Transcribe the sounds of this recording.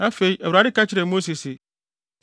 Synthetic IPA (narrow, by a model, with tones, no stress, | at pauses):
ã˦fe˨i˦ɛ˨wɾa˨˦ɪ˦ka˦t͡ɕʰɪ˦ɾɛ˨mo˦si˨sɪ˨